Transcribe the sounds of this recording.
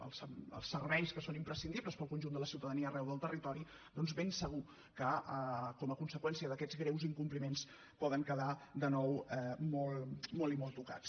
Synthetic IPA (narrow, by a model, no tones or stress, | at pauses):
ə̰lˠsəə̰lˠsːərβɛjskəsonimpɾəsind̪ibləspəlˠkunʲʒund̪ələsiwt̪əðəniəːrɛwðəlˠt̪ərit̪ɔɾi | d̪ɔnzβensəɣ̞u | kəəkɔməkunsəkwɛnsiəðəkɛd͡zɣɾɛwziŋkumplimens | pɔðəŋkəðad̪ənɔwɛmɔlˠmɔlimɔlˠt̪uka̰t͡s